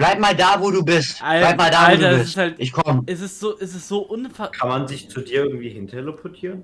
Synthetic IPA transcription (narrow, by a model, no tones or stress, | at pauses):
blaɪp̚maːldaːvoːduːbɪstʔallaɪpmaːldaːalɐɛɪsɪsshaltʔɪçkʰɔmɛsɛsz̥oːʔɛsɛsz̥oːʔʊnfakʰanmanzɪçt͡sudiːɐɪɐɡŋ̩tv̥iːhɪntʰɐeləpʰɔtʰiːʁən